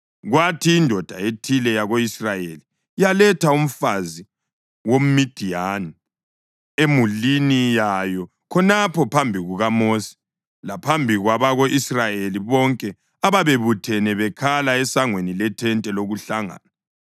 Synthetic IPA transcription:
ɣwatʰiːndʱɔd̥ʱaetʰilɛjaɣoisrajeli | jalɛtʰaum̩fazi | wom̩mid̥ʱiani | emulinijajɔ | kʰɔnapʰɔpʰambʱiɣuɣamosi̥ | lapʰambʱiɣwaβaɣoʔisrajeliβɔŋkʼɛ | aβaβeβutʰɛnɛβɛkʰalaɛsaŋwenilɛtʰɛntʼɛloɣuɬaŋa̰ːna

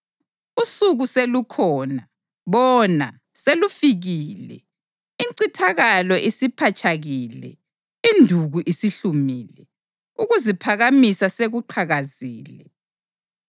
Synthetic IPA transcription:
usuɣuselukʰɔːna | βɔna̰ | selufiɣiːlɛ̰ | iǀitʰaɣalɔʔisipʰat͡ʃʰʼaɣiːlɛ̰ | indʱuɣuʔisiɬumiːlɛ | uɣuzipʰaɣamisaseɣuǃʰaɣaziːlɛ

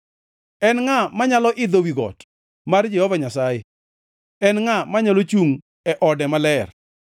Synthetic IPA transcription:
ɛnŋamaɲalɔʔɪd̪owiɡɔ̰t | mard͡ʒɛhɔvaɲasaje | ɛnŋamaɲalot͡ʃuŋ | ɛʔɔdɛmalɛr

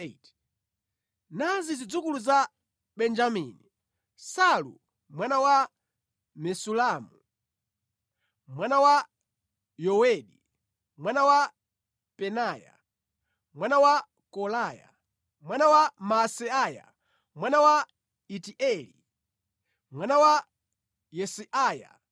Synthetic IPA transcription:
t | nazizid͡zukuluza | ɓɛnd͡ʒamḭni | salṵ | mwanawa | mɛsulamu | mwanawa | jɔwɛɗi | mwanawa | pɛnaːja̰ | mwanawa | kɔlaːja̰ | mwanawamasɛaja̰ | mwanawa | itiʔɛli | mwanawa | jɛsiʔaːja̰

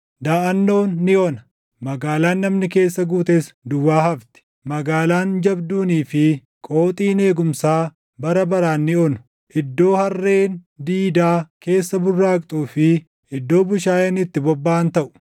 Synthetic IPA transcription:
d̪aːʔɐnːo̞ːnːɪɔnɐ | mɐɡaːlaːnːɐmnɪke̞ːsːɐɡuːt̪esd̪ʊwːaːhɐft̪ɪ̥ | mɐɡaːlaːnd͡ʒɐbd̪uːniːfɪ | kʼo̞ːt̪ʼiːne̞ːɡʊmsaː | bɐɾɐbɐɾaːnːɪonʊ̥ | ʔɪd̪ːo̞ːhɐrːe̞ːnd̪iːd̪aːke̞ːsːɐbʊrːaːkʼt̪ʼuːfɪ | ʔɪd̪ːo̞ːbʊʃaːjeːnɪt̪ːɪbɔbːaːnt̪ɐʔʊ̥

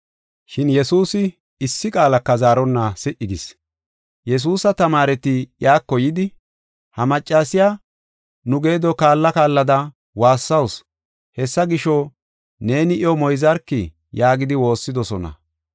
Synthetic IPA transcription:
ʃɪnjɛsuːsɪ | ɪsːɪkʼaːlɐkːɐzaːɾɔnːɐsɪʔɪɡɪs | jɛs̬uːsɐt̪ɐmaːɾɛt̪ɪjaːkːɔjɪd̪ɪ | hɐmɐt͡ʃʼːaːsɪjaː | nʊɡe̞ːd̪ɔkaːlːɐkaːlːɐd̪ɐ | waːsːɐws | hɛsːɐɡɪʃɔ | ne̞ːnɪʔɪjɔmɔjzɐɾkːɪ | jaːɡɪd̪ɪwo̞ːsːɪd̪ɔsɔnɐ̰

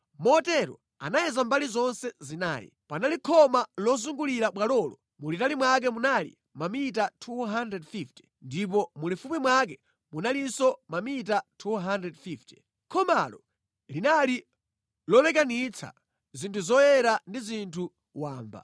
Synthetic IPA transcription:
mɔtɛɾɔ̰ | a̰najɛzambalizɔnsɛzina̰ːjḭpanalikʰɔmalɔzuŋɡuliɾaɓwalɔːlɔ | mulitalimwak̬ɛmunalḭ | mamit̬atʰuɦandɾɛdfifti̥ | ndip̬ɔmulifupimwak̬ɛ | munalisɔmamitatʰuɦandɾɛdfifti̥ | kʰɔmalɔ̰ | linali | lɔlɛk̬anit͡sʰa̰ | zintʰuzɔjɛɾandizintʰu | waːmba̰

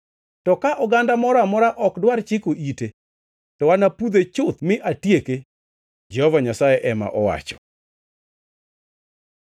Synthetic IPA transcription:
tɔkaʔɔɡandamɔɾamɔɾaʔɔkdwart͡ʃɪkoʔite | tɔwanapud̪et͡ʃʊt̪mɪʔatjeke | d͡ʒɛhɔvaɲasajɛʔɛma̰ʔɔwa̰t͡ʃɔ̥

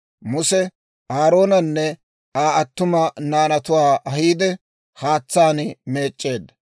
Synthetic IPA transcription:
mʊsɛ | aːɾo̞ːnɐnːɛ | aːɐt̪ːʊmɐnaːnɐt̪ʊwaːʔɐɦiːd̪ɛ | haːt͡sːaːnɪme̞ːt͡ʃʼːe̞ːd̪ːɐ

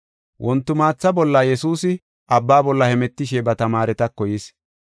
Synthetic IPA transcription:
wʔɔnt̪ːʊmaːt͡sːɐbɔlːɐjɛsuːsɪ | ɐbːaːbɔlːɐhɛmɛt̪ːɪʃɛbɐt̪ɐmaːɾɛt̪ɐkːɔjɪs

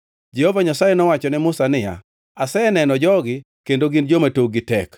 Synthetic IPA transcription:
d͡ʒehovaɲasajɛnɔwat͡ʃɔnɛmʊsanɪja̰ | asɛɛnɛnɔd͡ʒɔɡɪ | kendoɡɪnd͡ʒomatoɡɪtɛk

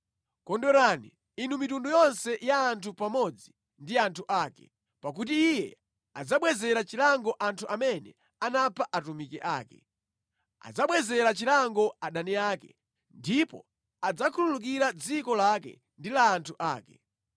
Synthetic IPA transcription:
kɔndɔɾanḭ | inumitundujɔnsɛjaːntʰupamɔd͡zi | ndiantʰuʔakɛ̰ | pakut̬iːjɛ̰ | ad͡zaɓwɛzɛɾat͡ʃilaŋɡɔʔantʰuʔamɛnɛ̰ | anapʰaʔatumikɛʔa̰ːkɛ̰ | a̰d͡zaɓwɛzɛɾat͡ʃilaŋɡɔaɗaniaːkɛ̰ | ndipɔ̰ | ad͡zakʰululuk̬iɾad͡zikɔlakɛ̰ | ndilaːntʰuʔa̰ːkɛ̰

